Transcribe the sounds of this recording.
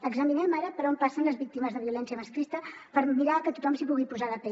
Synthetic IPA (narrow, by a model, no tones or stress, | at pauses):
əɡzəminɛmaɾəpəɾompasənləzβik̚t̪iməzðəβiulɛnsiəməskɾist̪əpəɾmiɾakət̪ut̪ɔmsipuɣipuzaləpɛ